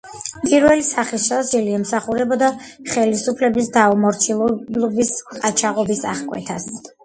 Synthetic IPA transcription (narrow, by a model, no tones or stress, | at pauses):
pʼiɾvɛlisaχisazd͡ʒɛliɛmsaχuɾɛbɔd̪aχɛlisupʰlɛbisd̪aɔmɔɾt͡ʃʰilˠɔlɔbisqʼat͡ʃʰaʁɔbisaχkʼwɛ̰t̪ʰas